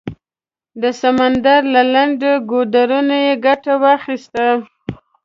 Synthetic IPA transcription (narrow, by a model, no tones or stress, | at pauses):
d̪əsamand̪aɾlalaɳɖoɡod̪aɾunajeɡaʈawɑxist̪a